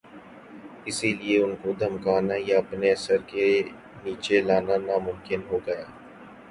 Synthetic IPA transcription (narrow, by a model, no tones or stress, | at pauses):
ɪsilieʊnkod̪ʱɐmkaːnajaɐpneɐsəɾke | niːt͡ʃelaːnanaːmʊ̃mkɪnɦoːɡɐjaː